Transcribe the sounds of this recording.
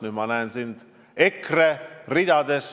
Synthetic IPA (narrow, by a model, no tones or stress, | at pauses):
nyːd̪mɑnæensind̪̥ | ekrerid̪ɑd̪es